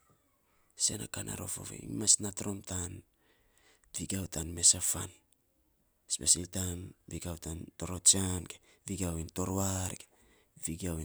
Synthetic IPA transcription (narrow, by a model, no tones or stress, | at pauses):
se̞na̰kanʔa̰ɾo̞fo̰vḛḭmasnatɾo̞mtan | biɡawtʰanme̞safan | spesiltanbiɡawtanto̞ɾot͡ʃanke | viɡiawinto̞ɾoaɾke | viɡiawi